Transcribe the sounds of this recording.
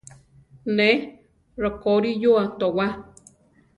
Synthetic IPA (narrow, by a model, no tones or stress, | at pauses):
ne | ɾokoɾijoat̪owa